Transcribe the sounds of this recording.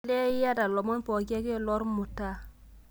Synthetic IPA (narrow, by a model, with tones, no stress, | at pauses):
le˦i˦ja˦da˨lɔ˨mɔ˦npo˨ke˦ke˦˨lɔ˦ɾmu˨ta˦